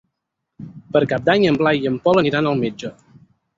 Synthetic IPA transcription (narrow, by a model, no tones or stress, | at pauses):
pəɾkap̚d̪aɲəmblajəmpɔləniɾanəlˠmɛd͡ʒə